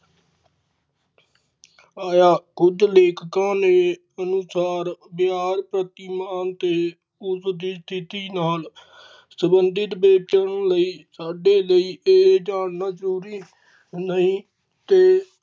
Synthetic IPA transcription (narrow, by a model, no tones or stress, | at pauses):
aːjaːkʊd͡ʒleːkkãːnẽː | ənʊsaːɾbɪaːɾpɾət̪ɪːmaːnt̪eː | ʊsd̪iːst̪ʰɪt̪iːnaːl | səbənd̪ɪt̪beːt͡ʃəɳləiːsaːɖeːləiːʔeːd͡ʒaːɽnãːzəɾuːɾiː | nəĩː | t̪eː